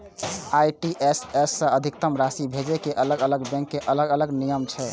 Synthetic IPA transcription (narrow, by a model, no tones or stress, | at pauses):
ajʈiʔesesːə̃əd̪ʱik̚t̪əmɾasibʱed͡ʒekeʔələɡələɡbɛ̃ŋkːeʔələɡələɡnijəmt͡ʃʰɛ